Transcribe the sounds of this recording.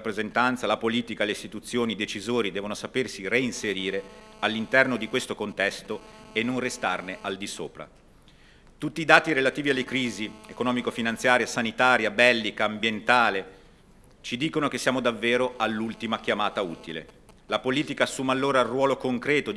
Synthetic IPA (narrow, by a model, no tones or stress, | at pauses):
pːɾezent̪ant̪salapoliːt̪ikaleist̪it̪ut̪sːjoːnid̪et͡ʃizoːɾid̪ɛːvonosapersireinseɾiːɾealːint̪ɛrnod̪ikwest̪okont̪ɛst̪oenːonrest̪arneʔald̪iso̰ːpɾa̰ | t̪ut̪ːiːd̪aːt̪iɾelat̪iːvialːekɾiːziekonɔːmikofinant̪sjaːɾijasanit̪aːɾjabɛlːikaːmbjent̪aːle | t͡ʃid̪iːkonok̟esːjaːmod̪avːeːɾoalːult̪imak̟jamaːt̪auːt̪ilḛ | lapoliːt̪ikaːsːuːmalːoːɾairwɔːlokoŋkɾɛːt̪o